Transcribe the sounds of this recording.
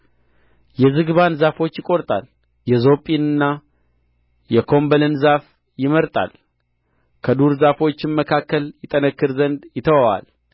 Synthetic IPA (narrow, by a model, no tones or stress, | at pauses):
jɛzɨɡɨβanzafo̞t͡ʃːjɪkʼo̞ɾt̪ʼal | jɛzo̞pʼinɨnːa | jɛkʰo̞mbəlɨnzaf | jɪməɾt̪ʼa̰l | kʰəd̪uɾzafo̞t͡ʃːɪnməkʰakːəljɪt̪ʼənəkːɨɾzənd̪jɪt̪ʰəwawa̰l